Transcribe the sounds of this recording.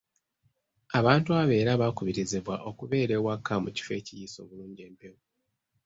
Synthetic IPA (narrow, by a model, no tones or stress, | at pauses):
aβaːntuaβe̞ːɾaβakuβiɾizeβwaʔo̞kuβe̞ːɾe̞wakʰːamuci̥fe̞ːcijiso̞̰ːβuluːɲɟe̞ːmpe̞wu